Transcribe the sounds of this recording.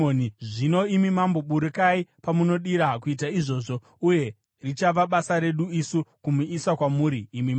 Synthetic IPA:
oniʐino̞imimambo̞ɓuɾikaipamuno̞ɗiɾakuitaiʐo̞ːʐo̞ | uje̞ | rit͡ʃaʋaɓasaɾe̞ɗuisukumuisakwamuːɾiːmim

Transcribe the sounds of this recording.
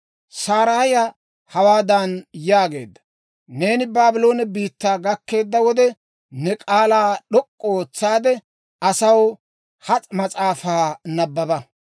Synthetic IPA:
saːɾaːjɐ | hɐwaːd̪ɐnjaːɡe̞̰ːd̪ːɐ̥ | ne̞ːnɪbaːbɪlo̞ːnɛbiːt̪ːaːɡɐkːe̞ːd̪ːɐwɔd̪ɛ | nɛkʼaːlaːɗɔkʼːɔooːt͡sːaːd̪ɛ | ɐsɐw | hɐt͡sʼmɐt͡sʼaːfaːnɐbːɐbɐ

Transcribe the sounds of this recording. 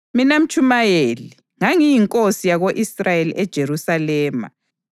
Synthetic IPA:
minam̩t͡ʃʼumajeli | ŋaŋijiŋkʼosijaɣoʔisrajeliʔɛd̥ʒ̥ʱeɾusalɛːma̰

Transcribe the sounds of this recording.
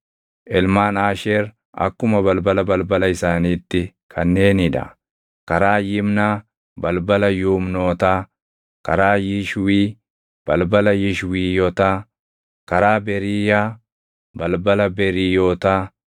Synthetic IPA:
ʔɛlmaːnaːʃeːɾ | ɐ̰kːʊmɐbɐlbɐlɐbɐlbɐlɐɪsaːniːt̪ːɪ | kʰɐnːe̞ːnɪᶑɐ̰ | kɐɾaːjɪmnaː | bɐlbɐlɐjuːmnoːt̪aː | kɐɾaːjɪʃwiː | b̥ɐlbɐlɐjɪʃwiːjɔːt̪aː | kɐɾaːbɛɾijaː | bɐlbɐlɐbɛɾiːjoːt̪aː

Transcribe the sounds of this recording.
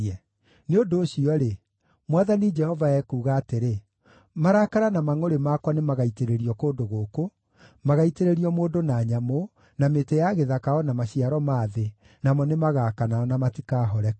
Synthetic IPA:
ɛ | neodoːɕiɔɾe | mwaðanid͡ʒɛhɔvaɛkuːɣaːteɾe | maɾakaɾanamaŋoɾemakwanemaɣaiteɾeɾiɔkoːdoɣoːko | maɣaiteɾeɾiɔmoːdonaːɲamo | nametejaɣeðakaɔnamaɕiaɾɔmaːðe | namɔnemaɣaːkanaɔnamatikaːɦɔɾɛ

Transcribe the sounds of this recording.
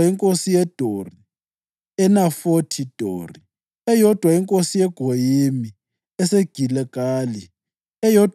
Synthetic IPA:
iŋkʼosijɛd̥ʱori | ɛnafotʰid̥ʱo̰ːri | ɛjɔd̥ʱwaiŋkʼosijɛɡ̥ʱojimi | ɛseɡ̥ʱilɛɡ̥ʱʼaːli | ɛjɔd

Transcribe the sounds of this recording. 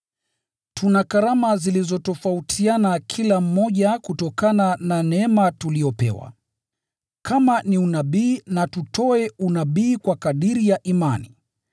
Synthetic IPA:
tʰunakaɾamazilizɔtɔfautʰianakʰilam̩ːɔʄakutɔkanananɛɛmatuliɔpɛ̰wa̰ | kʰamaniunaɓiːnatutɔɛunaɓiːkwakaɗiɾijaʔimani

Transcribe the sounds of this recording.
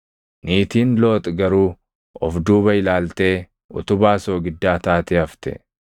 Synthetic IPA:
niːt̪iːnlo̞ːt̪ʼɡɐɾuː | ɔfd̪uːbɐɪlaːlt̪e̞ː | ʊ̰t̪ʊbaːsoːɡɪd̪ːaːt̪aːt̪ɪɐft̪ɛ̰

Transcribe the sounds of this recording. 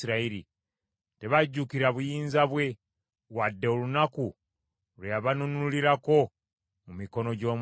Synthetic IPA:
iɾaiɾḭ | te̞βaɟːukiɾaβujiːnzaβwe̞ | wadːe̞olunaku | lwejaβanunuliɾako̞ | mumiko̞no̞ɟo̞ːm

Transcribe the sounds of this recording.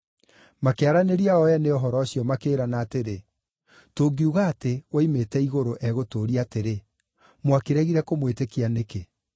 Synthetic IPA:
makeaɾaneɾiaɔɛneɔɦɔɾɔːɕjɔmakeːɾanaːteɾe | toːɡiuɣatewaimetɛiɣoɾoʔɛɣotoːɾiateɾe | mwakeɾɛɣiɾɛkomwetekianeke

